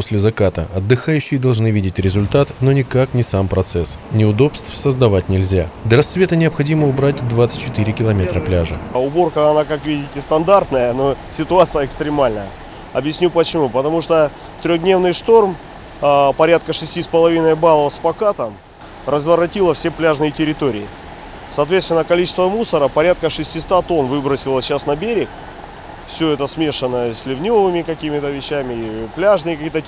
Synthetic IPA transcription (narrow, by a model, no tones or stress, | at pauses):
posʲlʲɪzɐkat̪ə̰ɐd̪ːɨxajʉɕːɪjɪd̪ɐlˠʐnɨvʲidʲɪtʲɾʲɪzʊlʲt̪at̪no̞nʲɪkaknʲɪsampɾɐt̪sɛsnʲɪʊd̪o̞pst̪fsəzd̪ɐvatʲnʲɪlʲzʲad̪əɾɐsːvʲe̞t̪ənʲɪəpxɐdʲiməʊbɾatʲd̪vat̪sɨ̥t̚ʲt͡ɕːɪt̪ɨɾʲɪkʲɪlˠɐmʲe̞t̪ɾəplʲaʐɨʊbo̞rkəɐnakakvʲidʲɪtʲɪst̪ɐnd̪art̪nəjənosʲɪt̪ʊat̪sɨjəɪkst̪ɾʲɪmalʲnəjə | ɐ̰bjɪsʲnʲupət͡ɕɪmupət̪ɐmuʂt̪ə | ft̪ɾʲoɣd̪nʲe̞vnɨjʂt̪o̞rm | pɐɾʲat̪̚kəʂɨsʲtʲispəlˠɐvʲinəjbalˠəvəspɐkat̪əm | rəzvəɾɐtʲilˠəfsʲe̞plʲaʐnɨjɪtʲɪɾʲɪt̪o̞ɾʲɪ̰ɪ | sɐːt̪vʲet̪st̪ʲɪnːəkɐlʲit͡ɕɪst̪vəmusəɾəpɐɾʲat̪̚kəʂɨsʲtʲist̪at̪o̞nvɨbɾəsʲɪlˠəɕasnɐbʲeɾʲɪk | fsʲɵɛt̪əsmʲe̞ʂɨnːəəsʲlʲɪvnʲovɨmʲɪkɐkʲimʲɪt̪əvʲɪɕːæmʲɪiplʲaʐnɨjɪkijt̪ə